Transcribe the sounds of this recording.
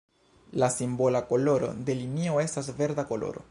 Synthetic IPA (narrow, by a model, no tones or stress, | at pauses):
lasimbo̞lako̞lo̞ɾo̞̰d̪e̞linio̞e̞stasve̞ɾd̪ako̞lo̞̰ɾo̞̰